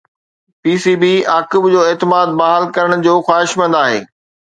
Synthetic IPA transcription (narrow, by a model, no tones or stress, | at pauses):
piːsibiaːkɪbd͡ʑoːeːt̪ɪmaːd̪̚baɦalkɐɾəɽ̃d͡ʑoːxwaːɦɪʃmɐ̃nd̪aːɦḛː